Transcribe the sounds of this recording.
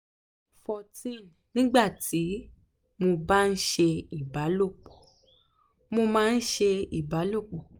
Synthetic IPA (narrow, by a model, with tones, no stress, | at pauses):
fɔ˧tĩ˦˨n | nĩ˦ɡ͡ba˦˨tʰi˨˦ | mo˧ba˦n̩˦ʃe˧i˦˨ba˨˦lo˦˨k͡pɔ˨ | mo˧mãː˦n̩˦ʃe˧i˦˨ba˨˦lo˦˨k͡pɔ˨